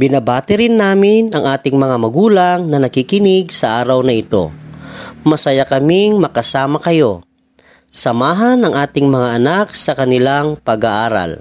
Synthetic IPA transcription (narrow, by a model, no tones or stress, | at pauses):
bɪnɐbaːt̪ɪɾɪnːaːmɪnɐŋʔaːt̪ɪŋmɐŋamɐɡuːlaŋnɐnɐkɪkɪnɪɡsɐʔaːɾɐwnɐɪt̪o̞̰ | mɐsɐjakɐmɪŋmɐkɐsaːmɐkɐjo̞ | sɐmaːɦɐnɐŋʔaːt̪ɪŋmɐŋaʔɐnak̚sɐkɐnɪlaŋpɐɡaʔaːɾa̰l